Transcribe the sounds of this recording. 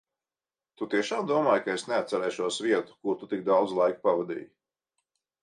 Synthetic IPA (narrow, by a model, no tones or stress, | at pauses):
t̪ut̪iɛʃaːmd̪uɔmaːjkaesneat̪sɛɾɛjʃuɔsviɛt̪u̥kuɾt̪ut̪ik̚d̪awd̪zlˠajku̥pavɛd̪ḭːj